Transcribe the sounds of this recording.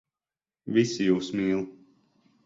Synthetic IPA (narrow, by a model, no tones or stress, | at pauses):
visijuːsmiːlˠ